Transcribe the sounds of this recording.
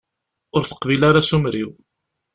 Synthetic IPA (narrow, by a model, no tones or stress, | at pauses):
ʊɾθə̥qvilaɾasumɾiw